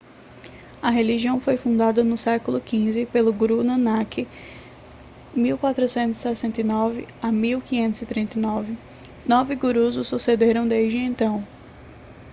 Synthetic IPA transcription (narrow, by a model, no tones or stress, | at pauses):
ɐɦeliʒiɐ̃w̃fojfũnd̪ad̪ɐnʊsɛkʊlʊkĩzɪpelʊɡɾunɐ̃nakɪ | miwkwat̪ɾʊsẽnt̪ʊzɪ̥sɛsẽnt̪ɐjnɔvɪamiwkĩɲẽnt̪ʊzɪt̪ɾĩnt̪ɐjnɔvɪ | nɔvɪɡuɾuzʊsːused̪eɾɐ̃w̃d̪eʒd͡ʒɪẽnt̪ɐ̃w̃